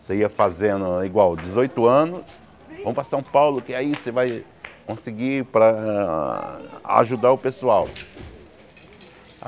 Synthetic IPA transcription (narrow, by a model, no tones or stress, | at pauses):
seiɐfazẽnʊiɡwawd̪ɪzojt̪ʊɐ̃nʊs | vɐ̃m̃ʊpɾɐsɐ̃w̃pawlʊkɪaisevaj | kõsɪɡipɾɐ | a̰ʒud̪aʊpesuaw